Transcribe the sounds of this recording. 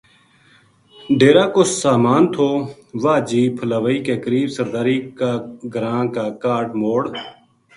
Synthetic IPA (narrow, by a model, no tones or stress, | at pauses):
ɖeːɾaːkossaːmaːnt̪ʰoː | ʋaːd͡ʒiːpʰəlaːʋəiːkeːkəɾiːbsəɾd̪aːɾiːkaːɡəɾãːkaːkaːʈmoːɽ